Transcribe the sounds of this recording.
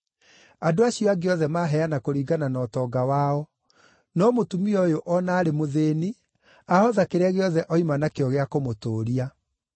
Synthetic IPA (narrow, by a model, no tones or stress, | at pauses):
adoaɕijɔaɡeɔðɛmaɦɛanakoɾiːɡananɔːtɔːɡawaɔ | nɔmotumiɔjoʔɔnaːɾemoðeːni | ahɔðakeɾaɣeɔðɛʔɔimanakeɔɣeakomotoːɾia